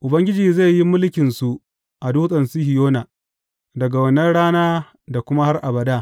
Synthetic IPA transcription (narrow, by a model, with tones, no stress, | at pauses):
ʔʊ˨bɐ˦ŋɡʲɪ˦d͡ʒiː˨za˦˨jːi˦mʊ˦lkʲɪ˨nsu˨ʔ | ʔa˨duː˦sʼɐ˨nsu˦hɪ˨joː˦na˨ | dɐ˨ɡa˨wɐ˨nɐ˦nɽaː˦naː˦ | da˨kʷʊ˦ma˦ha˦rʔa˨bɐ˨daː˦